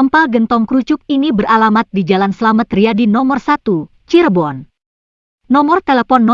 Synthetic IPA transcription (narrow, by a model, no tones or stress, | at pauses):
əmpalɡənt̪ɔŋkɾut͡ʃʊk̚inibəralamat̪̚did͡ʒalansəlamat̪ɾiadinɔmɔrsat̪u | t͡ʃirbɔn | nɔmɔrt̪elepɔnːɔ